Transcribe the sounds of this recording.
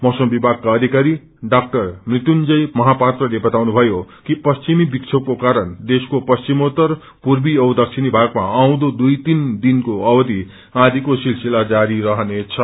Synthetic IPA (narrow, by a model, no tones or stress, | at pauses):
mʌwsʌmbibʱaɡ̚kːaʌd̪ʱikaɾi | ɖak̚ʈʌrmrit̪und͡zʌjmʌɦapat̪rʌlebʌt̪awnubʱʌjokipʌst͡simibiksʰʌb̚kokaɾʌnd̪eskopʌst͡simot̪ʌr | purbiʌwd̪ʌk̚t͡sʰinibʱaɡmaaw̃d̪od̪ujt̪ind̪inkoʌbʌd̪i | ãd̪ʱikosilsilad͡zaɾiɾʌɦʌnet͡sʰʌ